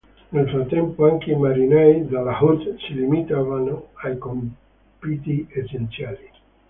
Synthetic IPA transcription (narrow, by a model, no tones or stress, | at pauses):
nelfɾat̪ːɛmpoaŋkeimaɾinajd̪alahut̪silimit̪avanoajkom | pit̪iesent̪sjali